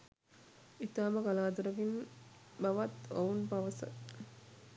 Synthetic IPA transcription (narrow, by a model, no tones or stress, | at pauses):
it̪aːmɐkalaːt̪uɾɐɡin | bɐʋɐt̪ounpaʋɐsɐ̰